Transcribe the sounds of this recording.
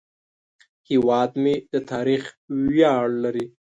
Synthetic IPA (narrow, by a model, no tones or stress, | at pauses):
hiwɑːd̪med̪ət̪ʰɑːɾix | wjɑɽlaɾi